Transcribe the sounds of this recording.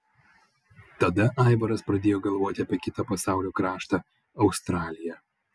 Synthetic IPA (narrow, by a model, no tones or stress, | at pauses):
t̪ɐd̪ɐʔaɪʋɐɾɐspɾɐd̪ʲeːjoːɡɐlˠʋoːt̪ʲɪɐpʲɛkʲɪt̪ɐpɐsɑˑʊlʲuːkɾɑːʃt̪ɐ | ɐʊst̪ɾaːlʲɪjɛ